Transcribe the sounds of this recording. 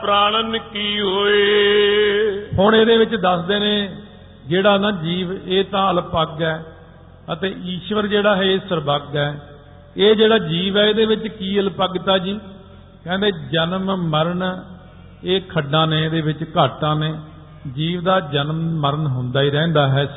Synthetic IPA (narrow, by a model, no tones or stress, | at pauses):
pɾaːnənkiːɦoːeː | hʊɳeːd̪eːʋɪt͡ʃd̪əsd̪eːnẽː | d͡ʒeːɽaːnãːd͡ʒiːʋeːt̪ãːəlpəɡɛː | ət̪eːiːʃʋəɾd͡ʒeːɽaːɦɛːsəɾbəɡɛː | eːd͡ʒeːɽaːd͡ʒiːʋɛːeːd̪eːʋɪt͡ʃkiːəlpəɡt̪aːd͡ʒiː | kɛ̃ːnd̪eːd͡ʒənmməɾəɳ | eːkʰəɖːãːnẽːd̪eːʋɪt͡ʃkaːʈãːneː | d͡ʒiːʋd̪aːd͡ʒənmməɾənɦʊnd̪aːiːɾɛ̃ːnd̪aːɦɛː